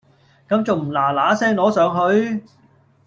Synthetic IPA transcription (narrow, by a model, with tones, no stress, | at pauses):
kɐ˨˧˥mt͡so˨wm̩˨˩laː˨˩laː˨˥sɛː˥ŋlɔː˨˥sœː˨˧ŋɦɵ˨˧ɥ